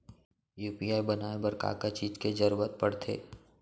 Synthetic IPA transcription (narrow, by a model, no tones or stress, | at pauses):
juːpiaːjbɐnaːebɐɾka̰ːkat͡ʃiːd͡ʒked͡ʒɐɾuːɾət̪̚pɐɽt̪ʰḛː